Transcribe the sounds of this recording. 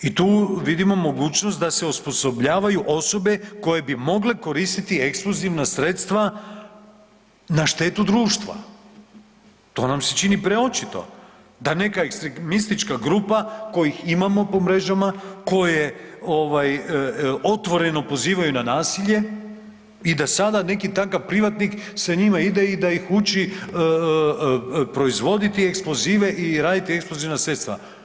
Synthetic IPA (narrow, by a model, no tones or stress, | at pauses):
it̪uːʋid̪imo̞mo̞ɡuːt͡ɕnost̪d̪ase̞uspo̞so̞bʎaːʋajuʔo̞so̞be̞ko̞je̞bimo̞ɡle̞ko̞ɾiːst̪it̪iekspluziʋnasɾe̞t̪st̪ʋa | naʃt̪e̞ːt̪ud̪ɾuːʃt̪ʋa̰ | t̪o̞ːnamset͡ʃinipɾeo̞t͡ʃit̪o̞̰ | d̪ane̞kaekst̪ɾemist̪it͡ʃkaɡɾupako̞jiximamo̞po̞mɾe̞ʒamako̞jeo̞ʋaj | o̞t̪ʋo̞ɾe̞no̞po̞ziːʋajunanaːsiʎe̞ | id̪asad̪ane̞kit̪aŋkaʋpɾiʋat̪niksaɲimaid̪e̞id̪aixut͡ʃi | pɾo̞izʋo̞d̪it̪ieksplˠo̞ziːʋe̞ʔiɾaːd̪it̪ieksploziʋnasɾe̞t̪st̪ʋa̰